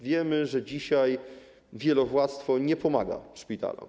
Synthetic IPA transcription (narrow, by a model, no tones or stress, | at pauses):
vʲjɛmɘʐɛd͡ʑiɕaj | vʲjɛlɔvwat̪st̪fɔɲɛpɔma̰ɡa̰ʂpʲit̪a̰lṵ